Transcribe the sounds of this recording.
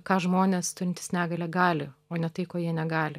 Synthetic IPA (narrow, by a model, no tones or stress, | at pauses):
kɑːʒmoːnʲeːst̪ʊɾʲɪnt̪ʲɪ̥snʲæːɡɐlʲɛɡɑːlʲɪoːnʲɛt̪ɐɪkoːjiɛnʲɛɡɑːlʲɪ